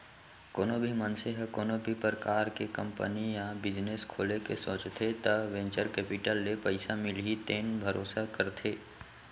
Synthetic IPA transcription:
koːnobʱimənseɦkoːnobʱipɾəkaːɾkekə̃mpənijabɪd͡ʒneskʰoːlekesoːt͡ʃt̪ʰet̪ɐʋẽːnt͡ʃəɾkɛːpɪʈəlːepəɪsamɪlɦit̪eːnbʱəɾʔoːsakəɾt̪ʰeː

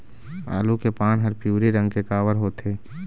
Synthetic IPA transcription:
a̰ːlukepaːnɦəɾpjuːɾiɾə̃ŋɡkekaːʋəɾɦoːt̪ʰeː

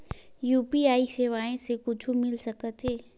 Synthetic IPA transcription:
juːpiaːiseːʋaːẽsekʊt͡ʃʰumɪlsɐkət̪ɦɛː

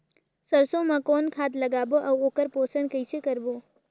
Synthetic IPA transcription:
səɾsomãkɔːnkʰat̪ləɡaboʔəokəɾposəɳkəjt͡ʃʰekəɾbo

